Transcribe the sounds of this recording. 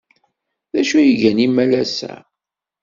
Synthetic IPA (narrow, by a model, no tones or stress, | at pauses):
ðæʃujəʝænimːælæsæ̰